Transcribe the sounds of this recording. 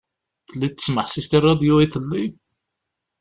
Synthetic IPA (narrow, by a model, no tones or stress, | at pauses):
θəlːit̪ːə̥sməħsist̪irˤːɑd̪juiθəlːi